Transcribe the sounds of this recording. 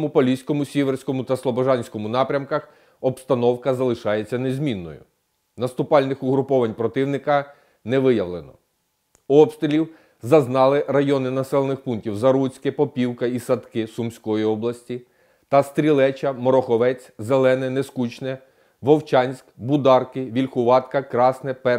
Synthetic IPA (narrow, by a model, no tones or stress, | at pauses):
mʊpɔlʲisʲkɔmʊsʲiʋersʲkɔmʊt̪ɐslˠɔbɔʒɑnʲsʲkɔmʊnɑpɾʲɐmkɐx | ɔpst̪ɐnɔwkɐzɐlˠɪʃɑjet͡sʲːɐnezʲmʲinːɔ̰jʊ̰ | nɐst̪ʊpɑlʲnɪxʊɦɾʊpɔʋɐnʲpɾɔt̪ɪwnɪkɐ | nɛʋɪjɐʋlˠenɔ̰ | ɔpst̪ɾʲɪlʲiw | zɐznɑlˠɪrɐjɔnɪnɐsɛlˠenɪxpuntʲiwzɐɾut͡sʲkɪpɔpʲiwkɐisɐd̪kɪsʊmsʲkɔjiɔblˠɐsʲtʲi | t̪ɐst̪ɾʲilˠɛt͡ʃɐmɔɾɔxɔʋɛt͡sʲzelˠɛnɛneskut͡ʃnɛ | ʋɔwt͡ʃɑnʲsʲkbʊd̪ɑrkɪʋʲilʲxʊʋɑt̪kɐkɾɑsnɛpɛ